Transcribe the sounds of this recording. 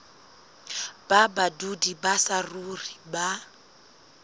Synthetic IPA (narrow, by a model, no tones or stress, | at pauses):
b̥abadudibasaruriba